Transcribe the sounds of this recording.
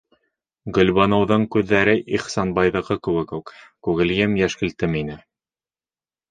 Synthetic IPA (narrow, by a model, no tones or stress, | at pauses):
ɡɵ̆lʲβɑnɤ̆wðɤɴkʉðːæɾɘʔiχsɑnbɑjðɤ̆ʁɤkɘ̆wɘkʉkkʉɣɘ̆ljɘmjæʃkɘ̆lt̪ɘminɘ